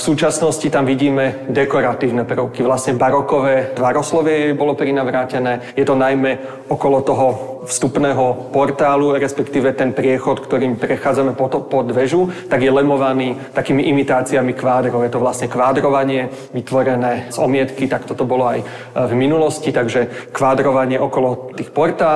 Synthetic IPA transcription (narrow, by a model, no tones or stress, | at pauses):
fsuːt͡ʃasnɔscit̪amʋiɟiːmɛd̪ɛkɔɾat̪iːʊnɛpɾəʊkiʋlast̪ɲɛbaɾɔkɔʋɛːt̪ʋaɾɔslɔʋɪɛjɛbɔlɔpɾinaʋɾaːcɛnɛː | jɛt̪ɔnajmɛ | ɔkɔlɔt̪ɔɦɔfst̪upnɛːɦɔpɔɾt̪aːluɾɛspɛkt̪iːʋɛt̪ɛnpɾɪɛxɔt̪kt̪ɔɾiːmpɾɛxaːd͡zamɛpɔpɔd̪ʋɛʒut̪aɡjɛlɛmɔʋaniːt̪akiːmiʔimit̪aːt͡siamikʋaːd̪ɾɔʊjɛt̪ɔʋlasɲɛkʋaːd̪ɾɔʋaɲɪɛ | ʋit̪ʋɔɾɛnɛːzɔmɪɛt̪kit̪akt̪ɔt̪ɔbɔlɔaj | vminulɔscit̪aɡʒɛkʋaːd̪ɾɔʋaɲɪɛʔɔkɔlɔt̪iːxpɔɾt̪aː